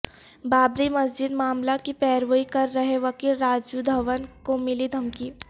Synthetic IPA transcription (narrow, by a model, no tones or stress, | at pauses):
baːbɾimɐs̬d͡ʒɪd̪maːmlakipɛːɾʋəikɐɾːɐɦeʋɐkiːɾːaːd͡ʒud̪ʱɐʋənkomɪlid̪ʱɐmki